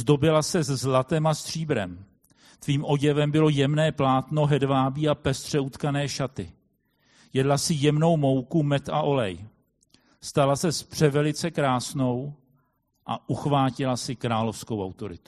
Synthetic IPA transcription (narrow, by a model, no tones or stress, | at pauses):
zdo̞bɪlasɛzzlat̪ɛmast̪r̝̥iːbɾɛ̰m | t̪viːmʔo̞ɟɛvɛmbɪlo̞jɛmnɛːplaːt̪no̞ɦɛdvaːbiːapɛst̪r̝̥ɛut̪kanɛːʃat̪ɪ | jɛdlasɪjɛmno̞wmo̞wkumɛt̪a̰ʔo̞lɛj | st̪alasɛspr̝̥ɛvɛlɪt͡sɛkɾaːsno̞w | ʔa̰ʔuxvaːcɪlasɪkɾaːlo̞fsko̞wʔa̰wt̪o̞ɾɪt̪u̥